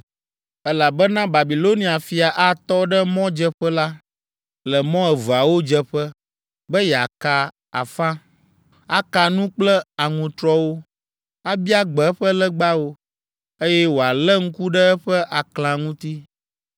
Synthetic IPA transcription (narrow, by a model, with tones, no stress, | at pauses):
ɛ˦la˨bɛ˦nã˦ba˨bi˨lo˦nĩ˨a˨fi˨a˨ʔa˦t̪ɔ˦ɖə˦mɔ̃˦d͡ʒɛ˦ɸɛ˦la˦ | lɛ˨mɔ̃˦ɛ˨və˨a˨wo˦d͡ʒɛ˦ɸə˦ | bə˦jɛ˨a˨ka˨ | a̰˨fã˦ | a˦ka˨nũ˦k͡plɛ˦a˨ŋũ˨t̪ɾɔ˦wo˦ | a˦bi˦a˦ɡ͡bɛ˨ɛ˦ɸə˦lə˦ɡ͡ba˦wo˦ | e˦jɛ˦wo˨a˨lɛ˦ŋ̩˦ku˦ɖə˦ɛ˦ɸə˦ʔa˨klã˨ŋũ˦t̪i˦